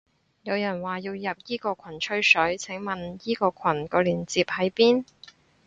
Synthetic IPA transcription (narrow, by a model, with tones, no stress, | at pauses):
jɐ˨˧wjɐ˨˩nwaː˨˩jiː˧wjɐ˨p̚jiː˥kɔː˧kʰwɐ˨˩nt͡ʃʰɵ˥ɥsɵ˨˥ɥt͡sʰɛ˨˥ŋmɐ˨njiː˥kɔː˧kʰɐ˨˩nkɔː˧liː˨˩nt͡siː˨p̚hɐ˨˥jpiː˥n